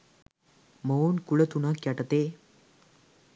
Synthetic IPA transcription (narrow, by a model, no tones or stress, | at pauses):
məonkuɭət̪unakjaʈət̪e